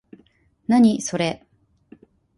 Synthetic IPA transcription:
naɲ̟iso̞ɾe̞

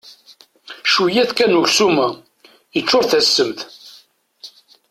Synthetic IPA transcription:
ʃujæθkænuʝsumæ | jət͡ʃːʊɾθæsːəmθ

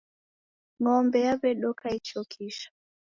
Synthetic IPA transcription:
ŋɔmbɛjaβɛɗɔkʰait͡ʃɔkʰiʃḁ

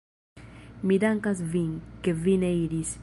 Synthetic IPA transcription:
mid̪aŋkasviŋkevineiɾis

